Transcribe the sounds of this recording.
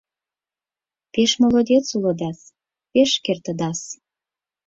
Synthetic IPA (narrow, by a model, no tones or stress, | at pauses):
peʃmolod̪ʲet͡sulɤ̆d̪ɑs | peʃkert̪ə̆d̪ɑs